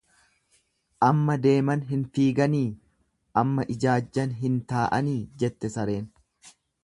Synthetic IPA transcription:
ʔɐmːɐd̪e̞ːmɐnɦɪnfiːɡɐniː | ʔɐmːɐʔɪd͡ʒaːd͡ʒːɐnɦɪnt̪aːʔɐniːd͡ʒɛt̪ːɛsɐɾe̞ːn

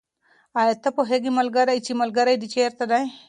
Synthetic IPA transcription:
ajet̪ɐpoɦeɡimɐlɡɐɾɐit͡ʃimɐlɡɐɾɐjd̪it͡ʃeːɾt̪ɐd̪ɐj̃

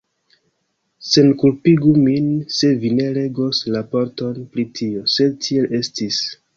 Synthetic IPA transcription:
se̞nkulpiɡuminse̞vine̞ɾe̞ɡoslapoɾto̞npɾitʰio̞se̞d̚tʰie̞lʔe̞stis

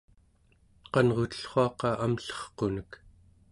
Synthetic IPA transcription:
qɑnʁot̪ə̥ɬχoɑqɑʔamɬʌ̥χqonək

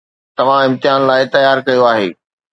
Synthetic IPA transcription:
t̪ɐʋ̤ãɪ̃mt̪ɪjaːnlaːɪt̪ɐjaːɾkɐjoaːɦḛː

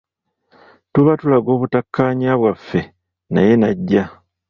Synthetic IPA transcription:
tuβatulaɡo̞ːβutakʰːaːɲaːβwafːe̞ | na̰je̞naɟːa

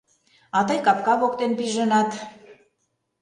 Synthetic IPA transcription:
ɑt̪ɑjkɑpkɑβokt̪enpiʒə̆nɑt̪

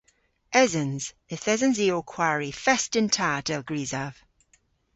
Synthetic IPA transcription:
ɛzənz̥ | ɪθɛzə̃nziːokʰw̥aɹifɛstɪ̃ntʰad̥ɛlˠɡɹiːzav̥

